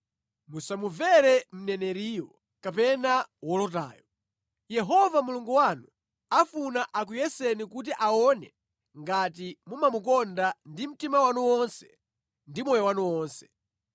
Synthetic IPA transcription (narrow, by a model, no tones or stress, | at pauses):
musamuvɛɾɛm̩nɛnɛɾiːjɔ | kapɛnawɔlɔt̬a̰ːjɔ | jɛɦɔvamuluŋɡuwanu | afunaʔak̬ujɛsɛnikut̬iʔaɔnɛ | ŋɡat̬imumamukɔndandim̩timawanuwɔnsɛ̥ | ndimɔjɔwanuwɔːnsɛ̥